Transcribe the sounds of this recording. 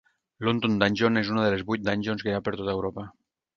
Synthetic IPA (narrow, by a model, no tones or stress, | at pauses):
lont̪ond̪anʲʒonezunaðelezβujt̪̚d̪anʲʒonskeɾapeɾt̪ot̪aewɾopa